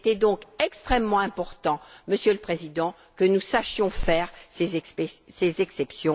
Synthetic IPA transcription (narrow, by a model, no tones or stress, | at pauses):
t̪ɛd̪ɔ̃kɛkst̪χɛmːɑ̃ɛ̃pɔʁt̪ɑ̃məsjøləpχezid̪ɑ̃ | kənusaʃjɔ̃fɛʁsezsezɛksɛpsjɔ̃